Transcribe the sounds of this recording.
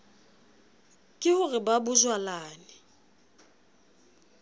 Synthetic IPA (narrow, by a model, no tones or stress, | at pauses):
kʼɪhʊrɪbabʊzwalaːnɪ